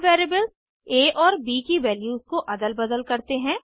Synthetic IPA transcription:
ʋeːɾebəlz | eːʔɔːɾbiːkiʋɛːljuːzkoʔɐd̪əlbɐd̪əlkɐɾt̪eɦɛ̃ː

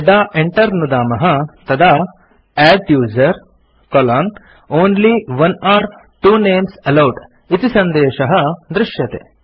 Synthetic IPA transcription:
ɖaːʔeɳʈɐɾnud̪aːmɐɦɐt̪ɐd̪aː | æːɖjuːzɐɾ | kɔlaːn | oːnliʋɐnaːɾ | ʈuːneːmsɐlɐwʈ | it̪isɐnd̪eːʃɐɦɐd̪ɾɪʂjɐt̪ḛː

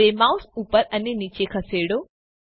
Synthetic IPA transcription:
emawsupəɾənenit͡ʃekʰəseɽo

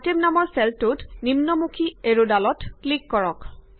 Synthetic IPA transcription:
atemnamɔɹsɛltutnimnɔmukʰieɹodalɔtklikːɔɹɔk

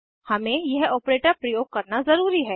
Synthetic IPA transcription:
hɐmẽjɛɦɔːpɾeːʈəɾpɾɐjoːɡ̚kɐɾnazɐɾuːɾiɦɛː

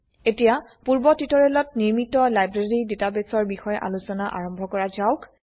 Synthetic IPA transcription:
etijapuɹbɔtitɔɹelɔtniɹmitɔlajbɹeɹidetabesɔɹbixɔjʔa̰lusɔnaʔa̰ɹɔmbʱɔkɔɹazaʊk

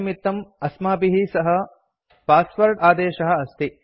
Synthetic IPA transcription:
mit̪ːɐmɐsmaːpiɦisɐɦɐ̆ | paːspɐɾʈaːd̪eːʃɐɦɐ̆ɐst̪i

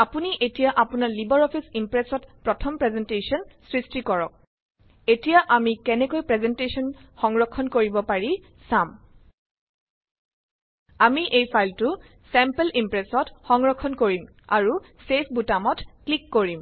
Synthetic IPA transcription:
apuniʔetijaʔapʊnaɹlibɔɹɔpʰisimpɹɛsɔtpɹɔtʰɔmpɹɛzɛntesɔnsɹistikɔɹɔk̚ | etijaʔamikɛnɛkojpɹɛzɛntesɔnxɔŋɹɔkʰːɔnkoɹibɔpaɹi | sam | amiʔejpʰajltʊ | sɛmpelʔimpɹɛsɔtxɔŋɹɔkʰːɔnkoɹim | a̰ɹu | sepʰbutamɔtklikːoɹim

